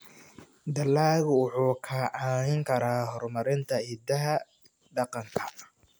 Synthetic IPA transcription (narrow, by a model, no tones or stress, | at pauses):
d̪ɐlːaːɣʊwʊħuːkʰɐʕaːnɪŋkʰɐɾaːɦɔrmɐɾɪnt̪ʰɐhɪd̪ɐɦɐ | ɖɑqɑŋkʰɐ